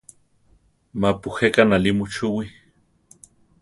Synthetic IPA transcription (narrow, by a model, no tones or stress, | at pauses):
mapuhekanalimut͡ʃuwi